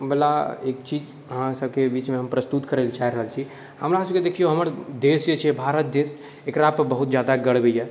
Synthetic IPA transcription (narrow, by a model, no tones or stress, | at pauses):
bɛlaeːkt͡ʃiːd͡ʒ | ɦãsəb̚kebiːt͡ʃmẽɦəmpɾəst̪ut̪kəɾelt͡ʃaɦiɾəɦəlt͡ʃʰi | həmɾaːsəked̪eːkʰijoɦəməɾd̪eːsd͡ʒet͡ʃʰiebʱaːɾət̪̚d̪eːs | ekɾapəbəɦʊt̪d͡ʒjaːd̪aɡəɽbəiɛ